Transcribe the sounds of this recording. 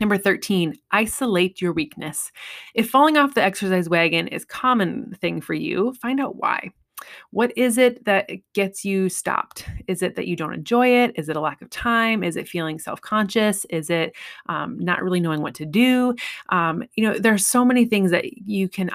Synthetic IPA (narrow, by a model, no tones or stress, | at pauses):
nʌ̃mbə˞θɜ˞tʰĩnʔaɪsəleɪt͡ʃə˞wiknɨsɨfɑlˠɪ̃ŋɔfðiɛksə˞s̬aɪzwæɡɨ̃nɪ̰z̥kʰɑmɨ̃nθɪ̃ŋfə˞jʉ̰fãɪ̃ndaʊt̚wa̰ɪ | wʌɾɪzɪt̪̚ðɨt̚ɡ̥ɛtsjɨstɑ̰p̚tɨzɨt̪̚ðɨ̰t͡ʃɨdõʊ̃ntɨ̰̃nd͡ʒɔɪɪɾɨzɨɾəlækʌv̥tʰãɪ̃mɨzɨtfilˠɪ̃ŋsɛ̰lˠfkʰɑ̃nʃɨsɪzɪt̚ʔʌ̃mnə̰ʔɹʔɪlˠinoʊɪ̃ŋwʌtʰɨdʉʔʌ̃mjɨnoʊðə˞ːsoʊmɛniθɪ̃ŋzðɨ̰t͡ʃɨkʰɨ̃n